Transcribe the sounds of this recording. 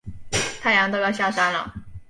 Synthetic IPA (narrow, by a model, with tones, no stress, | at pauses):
t̪ʰa˥˩ɪjɑ˧˥ŋt̪o˥˧jɑ˥˧ɕja˥˩ʂa˥nlə̰˨˩